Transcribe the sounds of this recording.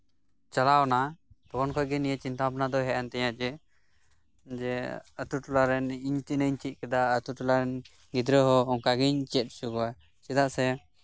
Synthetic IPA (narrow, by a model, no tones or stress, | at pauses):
t͡ʃalawnat̪ɔkɔnkʰɔjɡɛnijat͡ʃint̪apnad̪ɔɦɛʔant̪ɛjad͡ʒɛ | d͡ʒɛət̪uʈulaɾɛniɲt̪inəiɲt͡ʃit̪̚kɛd̪aət̪uʈulaɾɛn | ɡid̪ɾəɦɔːŋkaɡiɲt͡ʃɛt̪̚sukɔwa | t͡ʃɛd̪aʔsɛ